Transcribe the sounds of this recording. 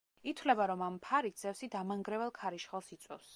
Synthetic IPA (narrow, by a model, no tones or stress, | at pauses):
it̪ʰwlɛbaɾɔmampʰaɾit̪̚ʰz̥ɛfsid̪amaŋɡɾɛvɛlˠkʰaɾiʃχɛlˠsit̪sʼwɛ̰fs